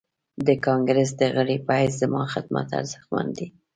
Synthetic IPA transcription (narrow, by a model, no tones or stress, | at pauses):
d̪əkɑŋɡɾəs̬d̪əɣəɽipaiszəmɑxɪd̪ma̰t̪a̰ɾzəxmand̪i